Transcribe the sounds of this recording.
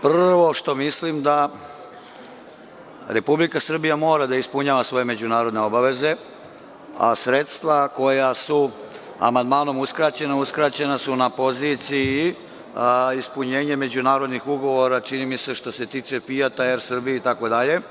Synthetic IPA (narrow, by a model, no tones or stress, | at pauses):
prr̩ʋo̞ʃt̪o̞mislimd̪a | ɾe̞publikasr̩bijamo̞ːɾad̪aispuɲaːʋasʋo̞je̞me̞d͡ʑunaːɾo̞d̪ne̞o̞baʋe̞ze̞ | a̰sɾet̪st̪ʋako̞jasu | a̰mand̪maːno̞muskɾat͡ɕe̞nauskɾaːt͡ɕe̞nasunapo̞zit̪si | ispuɲe̞ːɲe̞me̞d͡ʑunaːɾo̞d̪nixuɡo̞ʋo̞ɾat͡ʂinimise̞ʃt̪o̞se̞t̪iːt͡ʂe̞fijat̪aeɾsr̩bijeit̪ako̞d̪aʎe̞